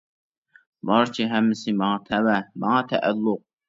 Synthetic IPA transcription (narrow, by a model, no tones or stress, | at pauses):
bɑɾt͡ʃʰiɦɛmːɪsɪmɑŋɑt̪ʰɛwɛmɑŋɑt̪ʰɛʔælːʊq̚